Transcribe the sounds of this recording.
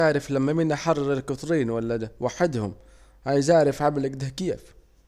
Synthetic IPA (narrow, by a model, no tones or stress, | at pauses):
aːɾɪflamːamɪnʔaħɑrˤːɑɾˤɪlkʊt̪ˤɾiːnwalːawaħɪd̪hʊm | hajzaːɾɪfʕablakd̪ahkeːf